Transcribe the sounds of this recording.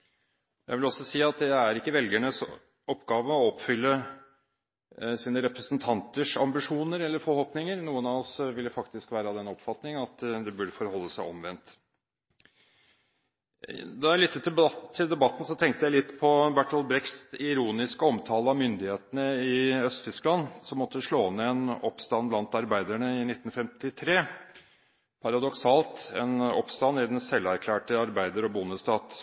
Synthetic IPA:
jæɪʋɪlɔsɔsiːɑt̪̚d̪ɛæɾɪkːəʋɛlɡæɳəs | ɔpːɡɑːʋəɔɔpːfʏlːə | siːnəɾɛpɾəsnt̪ʰɑnt̪əʂɑmbɪʂuːnəɾɛlːəɾfɔɾhoːpnɪŋəɾnuːənɑɔsʋɪld̪əfɑkt̪ɪskʋæːɾəɑd̪ɛnɔpfɑt̪nɪŋɑt̪d̪ɛbʉɖəfɔɾhɔlːəsæɪɔmʋɛnt̪ | d̪ɛæɭɪt̪ːt̪ʰɪld̪ɛbɑt̪ːn̩sɔt̪ʰɛŋkt̪əjæɪlɪt̪ːpʰɔbæʈɔlbɾɛkst̪ɪɾuːnɪskəɔmt̪ʰɑːləɑmʏnd̪ɪheːt̪ənəɪœst̪t̪ʰʏsklɑnsɔmːɔt̪ːəʂlɭoːnːɛɛnɔpst̪ɑnblɑnt̪ɑɾbæɪd̪æɳəɪnɪt̪ːn̩fɛmt̪ɪt̪ʰɾeː | pʰɑɾɑd̪ɔksɑːlt̪ɛ̰nɔ̰pst̪ɑnːɪd̪ɛnsɛlːæɾkʰlæːʈəɑɾbæɪd̪əɾɔbʊnəst̪ɑːt̪

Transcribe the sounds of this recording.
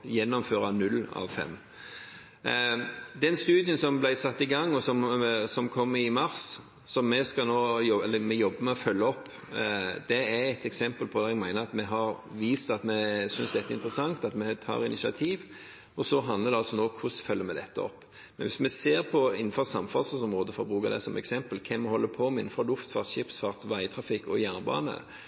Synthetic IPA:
jɛnːɔmføːɾɑnʉlːɑ̰ʋfɛ̰mː | d̪ɛnst̪ʉːd̪ɪənsɔmblæɪsɑt̪ːɪɡɑŋːɔsɔmsɔmkʰɔmːɪmɑɾs | sɔmːɛskɑnoːjɔɛlːəmɛjɔbːəmɛɔfœlːəɔpː | d̪ɛæɾɛt̪ɛksɛmpəlpʰɔd̪ɛɛɡmæɪnəɾɑt̪mɛɦɑɾʋiːst̪ɑt̪mɛsʏnsd̪ɛt̪ːɪ̰nt̪ɾəsɑŋt̪ɑt̪mɛt̪ʰɑ̰ːɾɪ̰nɪʃɑt̪ʰiːʋ | ɔsɔɦɑnd̪ləɾd̪ɛɑlsɔnoːkʰʊsfœlːəɾmɛd̪ɛt̪ːəɔ̰pː | mɛnʋɪsmɛseːɾpʰɔɪnːn̩fɔʁsɑmfɑsəsɔmɾoːd̪əfɔɾbɾʉːkɑd̪ɛ̰sɔmɛ̰ksɛmpəlkʰɛmːɛhɔlːəpʰɔɔmɪnːn̩fɔɾlʊft̪fɑ̰ʁt̪ɕɪpsfɑʁt̪ʋæɪt̪ʰɾɑfɪkːɔ̰jæːnəbɑ̰ːnə̰

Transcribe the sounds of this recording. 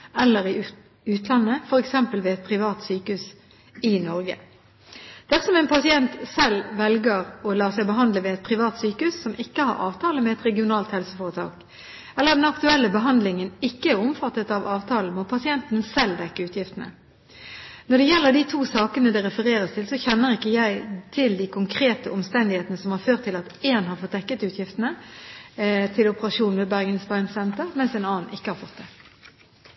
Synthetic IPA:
ɛlːəɾɪ | ʉːt̪ʰlɑnːəfɔɾɛksɛmpəlʋɛːɛt̪̚pʰʁɪʋɑːt̪syːkəʉs | ɪnɔɾɡə̰ | d̪̥æsɔmɛːnpʰɑsɪɛnt̪sɛlʋɛlɡəɾɔlɑːsɛɪbəɦɑnd̪ləʋɛːɛt̪̚pʰʁɪʋɑːt̪syːkəʉsːɔmɪkːəhɑ̰ɾɑ̰ːʋt̪ʰɑːləmɛɛt̪ɾɛɡɪʊnɑːlt̪hɛlsəfoːʁət̪ʰɑ̰ːk | ɛlːəʁd̪ɛnɑkt̪ʉɛlːəbəɦɑnd̪lɪŋənɪkːəæʁɔmfɑt̪ːət̪ɑʋɑːʋt̪ʰɑːln̩mɔpʰɑsɪɛnt̪n̩sɛld̪ɛkːəʉːt̪jɪft̪ənə̰ | nɔɖɛjɛlːəɖit̪ʰuːsɑːkənəd̪ɛɾɛfəʁeːɾʁəst̪ʰɪlsɔçɛnːəʁɪkːəjæɪt̪ʰɪld̪ikʰʊŋkʰʁeːt̪əɔmst̪ɛnd̪ɪheːt̪ənəsɔmhɑɾføːʁt̪ʰːɪlɑt̪eːnɦɑɾfɔt̪̚d̪ɛkːət̪ʉːt̪jɪft̪ənə | t̪ʰɪlʊpəʁɑʂuːnʋɛːbæʁɡənsbɑɪnsɛnt̪əʁmɛnsɛːnɑːn̩ɪkːəhɑɾfɔt̪̚d̪ɛː

